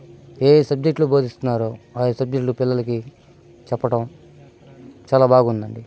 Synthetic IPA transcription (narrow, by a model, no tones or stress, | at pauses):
eːsɐb̚d͡ʒek̚ʈluboːd̪ist̪unːaːɾuaːjesɐb̚d͡ʒekʈlupilːɐlɐki | t͡ʃɛpːɐʈɐm | t͡ʃaːlaːbaːɡund̪ɐɳɖi